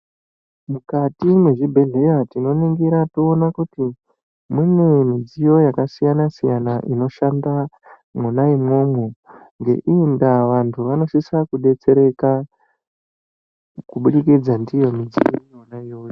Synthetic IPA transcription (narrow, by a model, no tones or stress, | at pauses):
mukatimwe̞ʐibʱe̞ɮe̞ɾatino̞niŋɡiɾatoːnakuti | mune̞mid͡zijo̞jakasijanasijanaʔino̞ʃanda | munaimo̞mo | ŋɡe̞̰ʔiːndaʋantʰuʋano̞sisakuɗe̞t͡se̞ɾe̞ka | kuɓuɗikid͡zandijo̞mid͡zḭjoonaijo̞jo